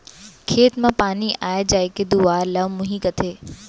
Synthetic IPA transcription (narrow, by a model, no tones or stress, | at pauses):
kʰeːt̪mãpaːniʔaːjed͡ʑaːeked̪uaːɾlɐʋmʊ̃ɦiːkɐt̪ʰeː